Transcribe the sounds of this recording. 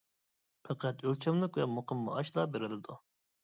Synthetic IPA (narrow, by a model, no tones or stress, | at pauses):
pʰɛqʰæt̪ølt͡ʃʰɛmlˠɪkʲvɛmoqəmːɑ̰ɑʃlˠɑbeɾɪlɪd̪u